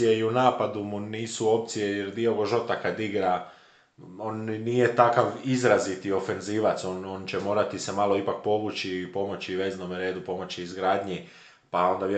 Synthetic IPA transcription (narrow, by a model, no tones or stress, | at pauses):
ijeiunaːpad̪umuniːsuo̞pt̪sijejeɾd̪io̞ɡoʒo̞t̪akad̪iɡɾa | o̞ːnniːjet̪akaʋizɾazit̪io̞fe̞nziːʋat̪sono̞ːnt͡ɕe̞mo̞ːɾat̪isemalˠo̞ipak̚po̞ʋut͡ɕipo̞mo̞t͡ɕiʋe̞ːzno̞mɾeːd̪upo̞mo̞t͡ɕiːzɡɾaːd̪ɲi | pao̞nd̪aʋj